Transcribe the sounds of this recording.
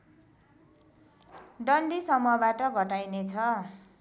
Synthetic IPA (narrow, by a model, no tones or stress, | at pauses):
ɖʌnɖisʌmʌbaʈʌɡʱʌʈajnet͡sʰʌ